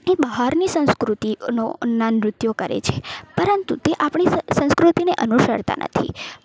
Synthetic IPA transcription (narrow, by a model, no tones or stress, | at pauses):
ebəɦaɾnisə̃w̃skɾut̪inoənːanɾʊt̪jokəɾḛt͡ʃʰe̥pəɾənt̪ṵt̪eʔapɳ̃isə̃skɾut̪ineʔənuʃə̰ɾt̪a̰nʔə̰t̪ʰḭ